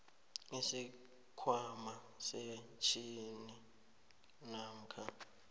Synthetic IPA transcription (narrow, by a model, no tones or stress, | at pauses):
esi | kʰwama | sɛt͡ʃʰʼini | nam̩kʰa